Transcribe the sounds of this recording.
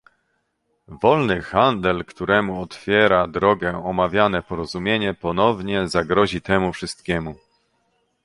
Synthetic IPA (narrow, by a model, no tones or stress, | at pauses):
vɔlnɘxand̪ɛlkt̪uɾɛmuɔt̪fʲjɛɾad̪ɾɔɡɛɔmavʲjanɛpɔɾɔzumʲjeɲɛpɔnɔvɲɛzaɡɾɔʑit̪ɛmufʂɘst̪kʲɛmu